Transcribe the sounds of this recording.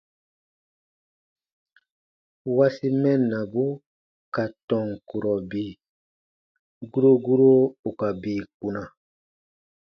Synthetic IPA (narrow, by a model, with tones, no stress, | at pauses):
wa˦si˦mɛ˦nːa˨bu˦ | ka˨tɔ̃˨ŋku˨ɾɔ˨biː˦˨ | ɡu˦ɾo˦ɡu˦ɾo˦u˨ka˨biː˨k̚u˨na˨